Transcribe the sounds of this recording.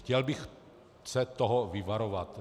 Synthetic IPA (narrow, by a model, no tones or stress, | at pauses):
xcɛlbɪx | sɛt̪oɦovɪvaɾovat̪